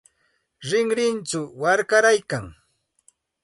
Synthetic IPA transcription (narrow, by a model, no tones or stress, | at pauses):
ɾɪŋɾɪnt͡ʃʊwaɾkaɾajkaŋ